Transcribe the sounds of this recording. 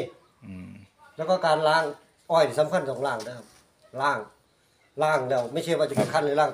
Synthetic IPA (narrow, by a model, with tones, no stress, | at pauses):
lɛː˦˥˩wkɔː˧˥˩kaː˧nlaː˦˥˩ŋ | ʔɔː˧˩ji˧˩sa˧˦mkʰa˧˥˨nsɔː˨˦ŋlaː˧˩ŋdɯ˧˩ka˧˩p̚ | laː˧˩ŋ | laː˧˥˩ŋdɛː˧˩ma˥˩t͡ɕʰa˥˩waː˧˩t͡ɕa˧˩pe˧˩kʰa˧˥˨nla˧laː˧˩˨ŋ